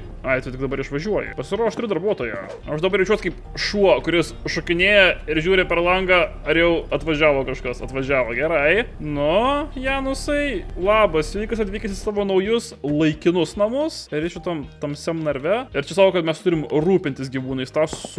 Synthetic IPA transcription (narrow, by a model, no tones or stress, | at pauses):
ɐɪt̪ʊtʲɪkd̪ɐbɐɾɪʃʋɐʒʲuɔjɪ̰pɐsʲɪɾoːʃt̪ʲɾʲɪdɐɾbuɔt̪oːjɛ | ɐʃd̪ɐbɐrɾʲɛɪt͡ʃʲuɔt̪kɐɪp | ʃuɔkʊɾʲɪs | ʃʊkʲɪnʲeːjɛɪɾʒʲuːɾʲɪpʲɛɾlˠɐŋɡɑ | ɐɾjɛʊɐt̪ʋɐʒʲæːʋoːkɐʃkɐsɐt̪ʋɐʒʲæːʋoːɡʲæɾɐɪnʊjæːnʊsɐɪlˠɑːbɐsʋʲiːkɐsɐt̪ʲʋʲiːkʲɪsʲɪsɑːʋoːnɐʊjʊslˠɐɪkʲɪnʊsnɐmʊsɪɾɛɪʃʲʊt̪ɐmt̪ɐmsʲɛmnɐɾʲʋʲɛɪɾt͡ʃʲɛsɑːkoːkɐt̪mʲɛst̪ʊɾʲɪmruːpʲɪnʲt̪ʲɪsɡʲiʋuːnɐɪst̪ɑː